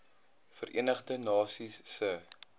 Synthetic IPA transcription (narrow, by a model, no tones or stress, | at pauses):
fərʔḭənəχdənɑːsisːə